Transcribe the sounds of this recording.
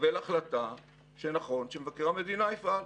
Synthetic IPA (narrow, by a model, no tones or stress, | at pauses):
velaχlata | ʃenaχo̞nʃemevakeʁame̞d̪inaifal